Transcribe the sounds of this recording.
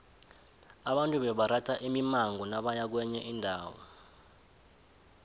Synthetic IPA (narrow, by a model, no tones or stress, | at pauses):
aɓantʼuɓɛɓaɾatʰaʔimimaŋɡɔnaɓajak̬wɛɲɛʔindʱaːwɔ̰